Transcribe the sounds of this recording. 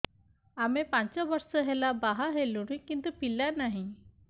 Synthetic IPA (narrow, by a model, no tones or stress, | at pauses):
amepaɲt͡ɕaʋəɾsəɦɛlabaɦaɦelunikĩnt̪upilːanaɦi